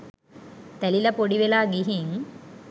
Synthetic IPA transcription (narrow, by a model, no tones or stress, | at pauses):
t̪ɛlilɐpoɽiʋelaːɡiɦiŋ